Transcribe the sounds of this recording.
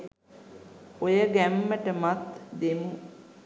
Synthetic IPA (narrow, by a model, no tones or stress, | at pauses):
ojəɡæmːəʈəmat̪d̪emu